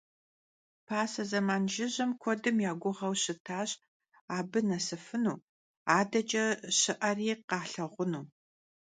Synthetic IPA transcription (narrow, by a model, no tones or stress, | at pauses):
pʰaːsɐzɐmaːnʒɪʑɐmkʷʰɔdɨmjaːɡʷʊʁɐwɕɪtʰaːɕ | aːbɨnɐsɨfɨnuː | aːdɐt͡ʃʼɐɕɪʔɐriːqɑːɬɐʁʷʊnuː